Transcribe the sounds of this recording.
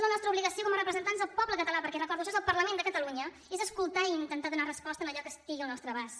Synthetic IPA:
zlənɔst̪ɾəuβliɣəsiokɔmərəpɾəzənt̪anzðəlˠpɔβləkət̪əlapəɾkɛrəkɔɾðuəʃ̬ɔezəlˠpəɾləmend̪əkət̪əluɲə | ezəskulˠt̪aiint̪ənt̪aðunarəspɔst̪ənəʎɔkəst̪iɣiəlˠnɔst̪ɾəβas

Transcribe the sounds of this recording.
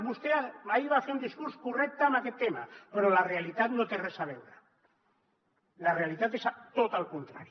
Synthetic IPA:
βust̪eaaiβaːθeɾund̪iskuɾskurek̚t̪amaket̪ːemapeɾolarealit̪at̪not̪eresaβewɾa | lare̞alit̪at̪̬esat̪ot̪alkont̪ɾa̰ɾj

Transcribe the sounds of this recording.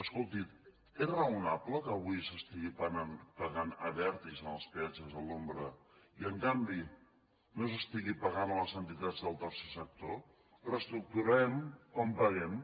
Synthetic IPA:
əskolˠt̪it̪ | erəunapləkəːβ̞uisəst̪iɣippəɣanəβɛɾt̪izənəlˠspɛt͡ʃəzəlombɾəiəŋkambi | nos̬əst̪iɣipəɣanləzənt̪it̪ad͡zðəlˠt̪ərsesək̚t̪o | rəst̪ɾuk̚t̪uɾɛmkɔmpəɣɛm

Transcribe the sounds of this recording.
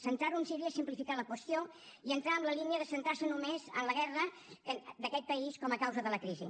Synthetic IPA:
sənt̪aɾunsiɾiəsimplifikaləkwəst̪jo | iənt̪ɾaəmləliniəðəsənt̪asənumezənləɣɛrə | əd̪əkɛt̪̚pəiskɔməkawzəðələkɾizḭ

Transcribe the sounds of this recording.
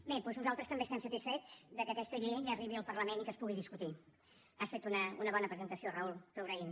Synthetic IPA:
bepweznuzalˠt̪ɾəst̪əmbest̪ɛmsət̪isfɛt͡sd̪əkəkɛst̪əʎiɲəriβiəlˠpərləmenikəspuɣiðiskut̪i | asfet̪unəunəβɔnəpɾəzənt̪əsiorəulˠk̪əɣɾəim

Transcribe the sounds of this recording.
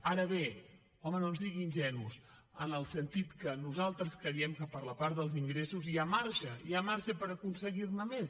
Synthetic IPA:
aɾəβe | ɔmənonsiɣiːnʲʒɛnus | ənəlˠsənt̪it̪kənuzalˠt̪ɾəskɾəiɛmkəpəɾləpaɾðəlˠziŋɡɾesuzjamaɾʃəiamaɾʃəpəɾəkunsəɣirnəmes

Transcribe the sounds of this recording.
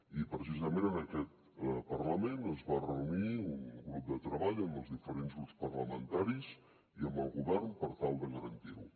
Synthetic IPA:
ipɾəs̬izəmenənəkɛt̪ | pərləmenəzβarəuniunɡɾup̚d̪ət̪ɾəβaʎəmbəlˠzðifəɾenzɣɾupspərləmənt̪aɾiz | iəmbəlˠɣuβɛrnpəɾt̪alˠd̪əɣəɾənt̪iɾu

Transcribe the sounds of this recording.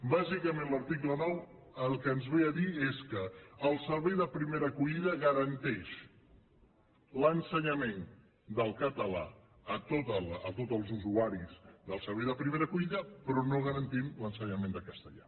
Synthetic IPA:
bazikəmẽnləɾt̪ik̬lənɔw | əlˠkəːnzβeəðieskəːlˠsəɾβɛjðəpɾimeɾəkuʎiðəɣəɾənt̪ɛʃ | lənsəɲəmen | d̪əlˠkət̪əla̰ | ət̪ot̪ələt̪ot̪əlˠzuzuaɾizðəlˠsəɾβɛjðəpɾimeɾəkuʎiðəpɾɔnoɣ̞əɾənt̪imlənsəɲəmẽnd̪əkəst̪əʎa̰

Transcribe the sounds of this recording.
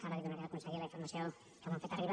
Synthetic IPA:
kaβaðeðunakeðakonseɣiɾlaiɱfoɾmasjo | k̪aãmfet̪ariβ

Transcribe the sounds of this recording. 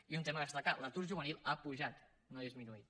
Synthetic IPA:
iunt̪eməðəst̪akalat̪uɾʒuβənilˠapuʒat̪ | noðizminuit̪

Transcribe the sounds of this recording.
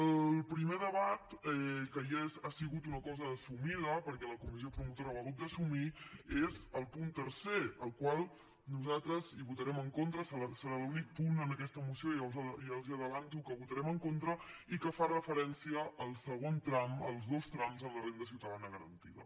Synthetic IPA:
əlˠpɾimeðəβat̪ɛkəjazasiɣut̪unəkɔzəːsumiðəpəɾkɛləkumiziopɾumut̪oɾaβəɣut̪̚d̪əsumiezəlˠpunt̪əɾseəlˠkwalˠ | nuzat̪ɾəziβut̪əɾɛməŋkont̪ɾəsəasəɾalunik̚punənəkɛst̪əmusiojawzjalˠziəðəβant̪ukəβut̪əɾɛməŋkont̪ɾə | ikəfarəfəɾɛnsiəʔːlˠsəɣont̪ɾaməlˠzðost̪ɾamzənləremd̪əsiwt̪əðanəɣəɾə̰nt̪iðə̰

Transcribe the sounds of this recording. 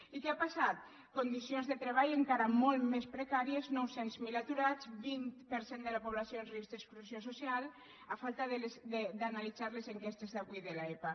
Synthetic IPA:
ikeapasat̪ | kond̪isionzðet̪ɾeβajeŋkaɾamɔlˠmespɾekaɾieznɔwsenzmilat̪uɾat͡sbint̪pəɾsend̪əlapoβlasjoenrizd̪eskɾusjososial | afalˠt̪aðesd̪ed̪analizaɾlezeŋkest̪ezðaβiðelaepa

